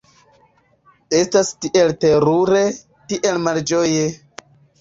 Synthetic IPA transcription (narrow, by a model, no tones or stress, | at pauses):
e̞stastiʔe̞lte̞ɾuɾe̞ | tiʔe̞lmald͡ʒo̞je